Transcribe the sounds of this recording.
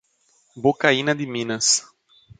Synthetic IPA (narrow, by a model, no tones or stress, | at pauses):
bokaĩnɐd̪ɪmĩnɐs